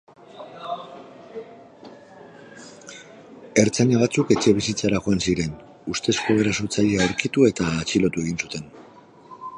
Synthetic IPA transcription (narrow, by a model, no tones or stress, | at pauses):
e̞ɾt͡saɲaβat͡suke̞t͡ʃe̞β̞isit͡saɾaxo̞ansiɾe̞n | ust̪e̞skoβeɾasoɾt͡saʎeaoɾkit̪ue̞t̪aːt͡silo̞t̪ue̞ɣinsut̪e̞n